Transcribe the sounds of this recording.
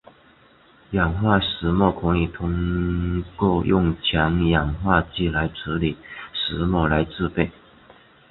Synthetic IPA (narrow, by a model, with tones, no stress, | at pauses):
jɑ˨˩ŋxwa˥˩ʂɻ̩˧˥mwɔ˥˩kʰʊ˧˥ŋli˨˩t̪ʰʊ˥ŋ | kwɔ˥˩ʊjʔʊ˥˩ŋt͡ɕʰjɑ˧˥ŋjɑ˨˩ŋxwa˥˧t͡ɕi˥˩la˧˥ɪʈ͡ʂ̩ʰ˧˥li˨˩˦ʂɻ̩˧˥mwɔ˥˩la˧˥ɪʈ͡ʂɹ̩˥˧pe˥˩ɪ